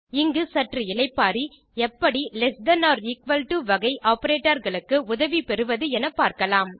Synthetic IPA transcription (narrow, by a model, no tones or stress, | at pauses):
ɪŋɡɯsɐʈrɯɪɭɐɪpːaːɾi | ɛpːɐɽilɛsd̪ɐnaːɾliːkʋɐlʈuʋɐɣɐɪʔʔaːpɐɾeːʈːɐɾɣɐɭɯkːɯʊðɐʋipɛɾɯʋɐðɯɛnɐpːaːɾkɐlaːm